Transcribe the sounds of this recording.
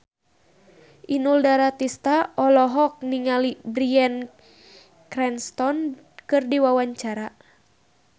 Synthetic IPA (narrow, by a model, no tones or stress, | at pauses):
ʔinuldaɾat̪ist̪aʔɔlɔɦɔk̚niŋalibɾian | kɾɛnst̪ɔn | kɨrdiwawaɲt͡ʃaɾa